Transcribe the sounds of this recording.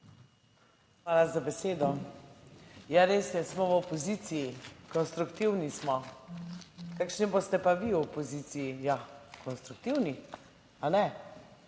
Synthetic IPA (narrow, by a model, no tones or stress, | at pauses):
xʋaːlazabeseːd̪ɔ | jaɾeːsjɛsmɔwɔpɔziːt̪sijikɔnst̪ɾukt̪iwnismɔ | kakʃnibost̪ɛpaʋiɔpɔziːt̪sijijakɔnst̪ɾuk̚t̪iwni | anɛ